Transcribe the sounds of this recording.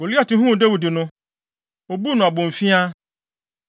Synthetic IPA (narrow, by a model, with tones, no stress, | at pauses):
o˨li˦a˨tɪ˦ɦũ˦˨de˦wi˨di˨nʊ̃˦ | o˨bu˦nʊ̃˨a˨bʊ̃˨m̩˨fi˦a˦